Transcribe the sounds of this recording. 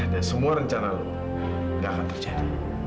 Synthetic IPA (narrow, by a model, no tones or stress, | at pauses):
dansəmuaɾəɲt͡ʃanalu | ɡakant̪ərd͡ʒadi